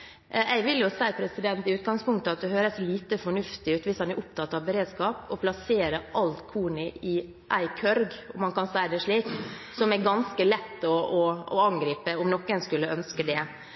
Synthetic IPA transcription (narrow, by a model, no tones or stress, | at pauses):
æɪʋɪljʊsæɪpʰɾɛsɪd̪ɛnt̪ɪʉːt̪̚ɡɑŋspʰʊŋkt̪əɑt̪̚d̪ɛhøːɾəsliːt̪əfɔɳʉft̪ɪʉːt̪ʋɪshɑnæɾʔʊp̚t̪ʰɑt̪ːɑʋbɛɾeːd̪skɑːpɔpʰlɑseːɾəʔɑlt̪kʰuːnɪɪ | ʔæɪkʰœɾɡɔmhɑnkɑnsæɪəd̪ɛʂɭiːksɔmɛɾɡɑnskəlɛt̪ːɔɔɑŋɡɾiːpəɔmnɔkːənskʉlːəœnskəd̪ɛ